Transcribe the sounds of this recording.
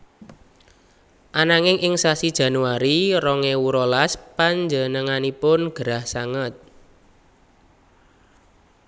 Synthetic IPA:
ʔanaŋɪŋʔɪŋsasid̥ʒ̥ä̤nuaɾiɾɔŋewuɾɔlaspaɲd͡ʒənəŋanipʊnɡ̥əɾahsaŋət̪̚

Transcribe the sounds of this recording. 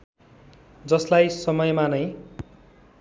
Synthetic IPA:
d͡zʌslajsʌmʌjmanʌj

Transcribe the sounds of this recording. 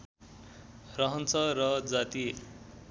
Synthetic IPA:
rʌɦʌnt͡sʰʌrʌd͡zat̪i

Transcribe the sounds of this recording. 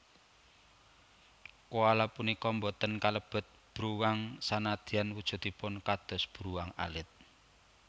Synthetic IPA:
koalapunikɔmbɔt̪ənkaləb̥ə̤t̪̚b̥ɾuwaŋsanad̪̥i̤anwud̥ʒ̥ṳt̪ipʊnkad̪̥ɔ̤sb̥ɾuwaŋa̰lɪt̪̚

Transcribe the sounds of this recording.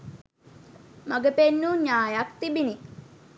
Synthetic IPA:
maɡəpenːuɲaːjakt̪ibini

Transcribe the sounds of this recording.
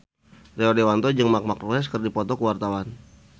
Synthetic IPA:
reɔdewant̪ɔd͡ʒəŋmak̚makruɛs̬kərdipɔt̪ɔkəwart̪awan

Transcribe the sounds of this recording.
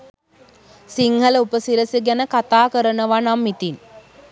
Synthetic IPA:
siŋhələupəsiɾəsəɡænəkat̪aːkəɾənəʋanamːit̪in

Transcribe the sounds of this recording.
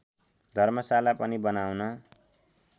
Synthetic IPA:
d̪ʱʌrmʌsalapʌnibʌnawnʌ

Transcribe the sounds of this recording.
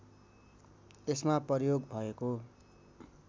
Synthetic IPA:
esmaprʌrjoɡbʱʌeko

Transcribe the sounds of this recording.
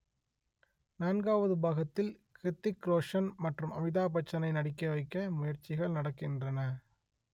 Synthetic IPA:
naːnɡaːʋɐðɯbɐɣɐt̪ːɪlkɾɪt̪ːɪkɾoːʂɐnmɐʈrɯmɐʋɪðaːp̬ɐt͡ʃːɐnɐɪnɐɽɪkːɐʋɐɪkːɐmʊjɐɾt͡ʃːɪɣɐɭnɐɽɐkːɪndrɐnɐ

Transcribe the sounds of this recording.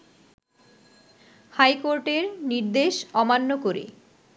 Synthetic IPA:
hajkoɾʈeɾniɾd̪eʃɔmanːokoɾḛ

